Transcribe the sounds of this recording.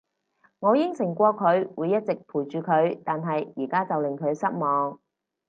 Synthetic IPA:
ŋɔː˨˧jɪ˥ŋsɪ˨˩ŋkʷɔː˧kʰɵ˨˧ɥwuː˨˧jɐ˥t̚t͡sɪ˨k̚pʰuː˨˩jt͡ʃyː˨kʰɵ˨˧˥ɥt̪aː˨nɦɐ˨jːiː˨˩kaː˥t͡sɐ˨wlɪ˨ŋkʰɵ˨˧ɥsɐ˥t̚mɔː˨˧ŋ

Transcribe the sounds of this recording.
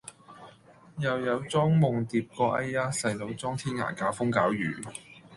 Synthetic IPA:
jɐ˨wjɐ˨˧wt͡sɔː˥ŋmʊ˨˩ŋt̪iː˨p̚kɔː˧ʔɐ˥jaː˥sɐ˨jlo˨˧wt͡sɔː˥ŋt̪ʰiː˥nŋa̰ː˨˩kaː˨˥wfʊ˥ŋkaː˨˥wjyː˨˩

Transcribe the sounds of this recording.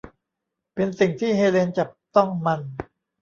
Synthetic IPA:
pe˧nsi˨˩ŋt̪ʰiː˥˩ɦeː˧le˧nt͡ɕa˨˩p̚t̪ɔ˥˩ŋma˧n

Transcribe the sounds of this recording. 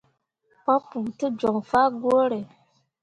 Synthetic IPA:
pɔ˦pːu˨tɨ˦d͡ʒɔ˨ŋfaː˦ɡo˦ɾe˨

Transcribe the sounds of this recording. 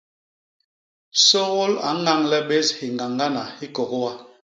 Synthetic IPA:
so˦wo˦la̰˨˦ŋa˦˨ŋlɛ˦ɓe˦shi˨ŋ˨ɡa˨ŋɡa˦na˨hi˦kɔ˨kwa˦

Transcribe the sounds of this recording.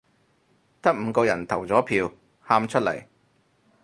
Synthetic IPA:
t̪ɐ˥k̚m̩ː˨˧kɔː˧jɐ˨˩nt̪ʰɐ˨˩wt͡sɔː˨˥pʰiː˧w | haː˧mt͡ʃʰɵ˥t̚lɐ̰˨˩j

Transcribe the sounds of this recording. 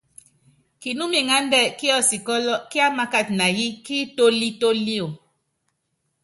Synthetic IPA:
ki˨nu˦mi˨ŋa˦ndɛ˦˨ki˦ɔ˦si˨kɔ˦lɔ˦ki˦a˦ma˦ka˦˨t̚na˨ji˦ki˦to˦li˦to˦li˦o˨

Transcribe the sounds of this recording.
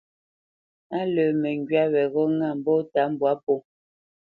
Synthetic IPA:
a˦lə˨mɛ˨ŋɡɥa˦wɛ˨ɣɔ˦ŋa˦˨m̩˨bɔ˦ta˨˦m̩˦˨bwa˨˦po˦˨

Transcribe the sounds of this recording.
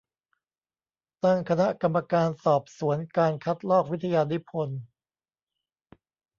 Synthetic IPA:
t̪a˥˩ŋkʰa˧na˦˥ka˧mːa˧kaː˧nsɔː˨˩p̚su˩˦ənkaː˧nkʰa˦˥t̪̚lɔː˥˩k̚wi˦˥t̪ʰːa˧jaː˧ni˦˥pʰo˧n

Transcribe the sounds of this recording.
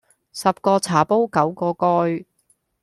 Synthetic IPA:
sɐ˨p̚kɔː˧t͡sʰaː˨˩po˥wkɐ˨˥wkɔː˧kɔː˧j

